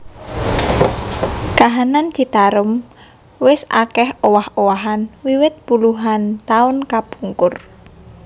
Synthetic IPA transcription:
kaɦanand̪̥i̤t̪aɾʊm | wɪsa̰kɛhowahowaɦanwiwɪt̪̚b̥uluɦant̪aʊnkapuŋkʊr

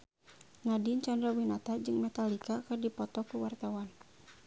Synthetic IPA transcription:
nadint͡ʃandɾawinat̪ad͡ʒɨŋmɛt̪alikakɨrdipɔt̪ɔkuwart̪awan

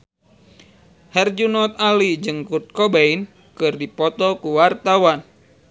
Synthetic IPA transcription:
hɛrd͡ʒunɔt̪̚alid͡ʒɨŋkut̪̚kɔbain | kɨrdipɔt̪ɔkuwart̪awan

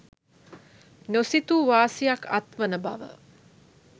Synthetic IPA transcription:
nosit̪uʋaːsijakat̪ʋənəba̰ʋə̰

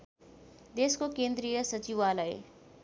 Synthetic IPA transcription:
d̪eːskokẽːnd̪ɾijəsət͡ʃiʋalaḛ

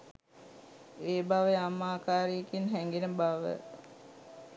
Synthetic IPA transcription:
eːbaʋəamːaːkaːɾiekinɦɛŋɡinəbaʋə̰

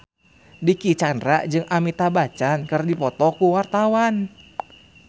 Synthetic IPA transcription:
dikit͡ʃandɾaʔd͡ʒɨŋʔamit̪abat͡ʃankɨrdipɔt̪ɔkuwart̪awan

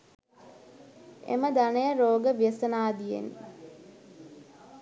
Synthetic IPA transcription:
ḛməd̪anəjəɾoːɡəʋijəsənaːd̪ijḛn

